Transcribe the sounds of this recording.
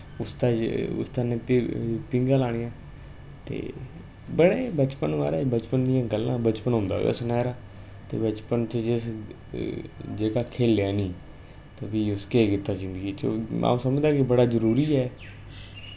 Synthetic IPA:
ʊst̪aːʊ̰st̪anẽːpɪ̃ŋɡãːlaːɽ̃ijãː | t̪ḛː | bəɽeːbət͡ʃpənʋaːɾɛːbət͡ʃpənd̪ijãːɡəlːã̰ːbət͡ʃpənɦõːnd̪a̰ːḛsnɛːɾaː | t̪ḛːbət͡ʃpənt͡ʃəd͡ʒɪs | d͡ʒeːkaːkʰeːljaːnĩː | t̪əbiːʊskeːkɪt̪ːaːd͡ʒɪ̃nd̪əɡiːt͡ʃomã̰ːũːsəmd͡ʒd̪aːkɪbəɽaːzəɾuːɾiːɛː

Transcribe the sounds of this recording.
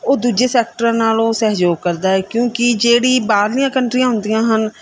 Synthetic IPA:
oːd̪uːd͡ʒeːsɛːk̚ʈəɾãːnaːlõːsɛːɦd͡ʒoːɡ̚kəɾd̪aːɛːkjõːkɪd͡ʒeːɽiːbaːd̪lɪjãːkəɳʈɾijãːɦʊnd̪ijãːɦən

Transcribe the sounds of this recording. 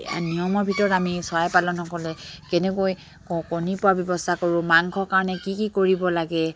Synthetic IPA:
nijɔmɔɹbʱitɔɹɔtamisɔajpalɔnɔkɔlɛkɛnɛkoj | kɔkonipʊabjɔbɔstʰakoɹʊmaŋkʰɔkaɹɔnɛkikikoɹibɔlaɡɛ

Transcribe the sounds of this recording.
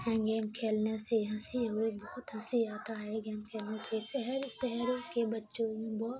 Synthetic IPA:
ɦɛ̃ɡɛːmkʰeːlneseɦɐ̃siɦoibɔːʊt̪ɦɐsiaːt̪aɦɛɡɛːmkʰeːlnesesɛɦɛɾsɛɦɾõkebɐtːʃõbɔːt̪

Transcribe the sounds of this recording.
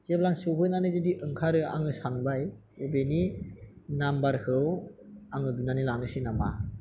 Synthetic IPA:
zeblaŋsɯwɦɯjnanɯzediʔɯŋkʰaɾɯa̰ŋɯsaŋbaj | ebeni | nambaɾhɯwaŋɯdunanilaŋɯsinama̰

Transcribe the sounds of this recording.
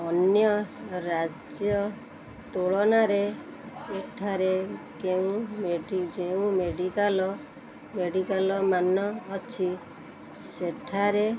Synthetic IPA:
ɔnjɔɾad͡ʒjɔ | t̪oɭɔnaɾe | ekʈʰaɾekeũmeɖid͡ʒeũmeɖikalɔ | meɖikalɔmanɔːt͡ʃʰi | seʈʰaɾe

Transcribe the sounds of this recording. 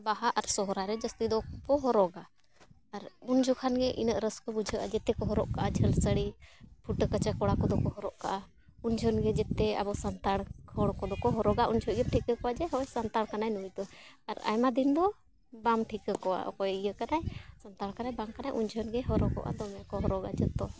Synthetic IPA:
baɦaʔaɾsɔɦɾaɾɛd͡ʒəst̪id̪ɔbɔɦɔɾɔɡaː | ɾund͡ʒʱɔkʰanɡɛʔḭnəʔɾəskɔbud͡ʒʱəʔad͡ʒɛt̪ɛkɔɦɔɾɔʔkaʔad͡ʒʱəlsəɽipʰuʈkət͡ʃakɔɽakɔd̪ɔkɔɦɔɾɔʔka̰ʔa | und͡ʒʱɔnɡɛd͡ʒɛt̪ɛa̰bɔʔsant̪aɽkʰɔɽkɔd̪ɔkɔɦɔɾɔɡaʔund͡ʒʰʱɔiəmʈʰikəkɔwad͡ʒɛɦɔjsant̪aɽkanajnujt̪ɔaɾa̰jmad̪ind̪ɔ | bamʈʰikəkɔwa̰ʔkɔjʔijəkanajsənt̪aɽkanajbamkanajʔund͡ʒʱɔnɡɛɦɔɾɔkɔ̰ʔa̰d̪ɔmɛkɔɦɔɾɔɡad͡ʒət̪ɔ

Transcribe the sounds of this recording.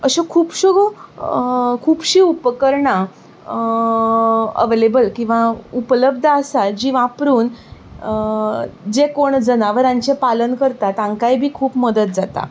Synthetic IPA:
əɕekʰuːpɕuɡ | kʰuːpɕiːupəkəɾɳa | ə̰ʋelebəlkĩw̃ʋaupələb̚d̪ʱəsad͡ʑiʋãpɾuːn | d͡ʑekoɳd͡zənaʋəɾãɲt͡ɕepalənkəɾt̪at̪ãŋkajbʱiːkʰuːpməd̪ət̪̚d͡zat̪a̰

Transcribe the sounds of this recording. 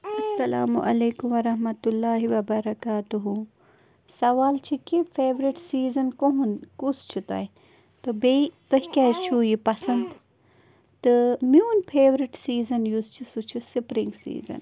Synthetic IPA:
ɐsːɐlaːmuʔɐ̰leːkumʋɐɾɐɦmɐt̪ulːaːɦiʋɐbɐɾɐkaːt̪uɦu | sɐʋaːlt͡ʃʰikifʰeːʋɾiʈsiːzɐnkoɦunkust͡ʃʰit̪ɐ̰i | t̪ɨbeit̪oɦikaːt͡ʃʰuːjipɐsɐnd̪ | t̪ɨmjuːnpʰeːʋɾiʈsiːzɐnjust͡ʃʰisut͡ʃʰisipɾiŋɡsḭːzɐ̰n

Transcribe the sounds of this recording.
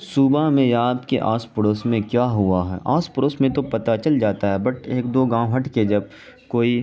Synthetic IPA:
suːbamẽjaːd̪kḛʔaːspʊɽoːsmẽkjaːɦʊaɦɛ̰ːʔaːspʊɽoːsmẽt̪opɐt̪at͡ʃɐld͡ʒaːt̪aɦɛbɐʈʰeːkd̪oːɡãːwɦɐʈked͡ʒɐb̚ | koːi

